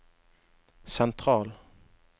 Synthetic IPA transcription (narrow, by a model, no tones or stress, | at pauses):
sɛnt̪ʰɾɑːl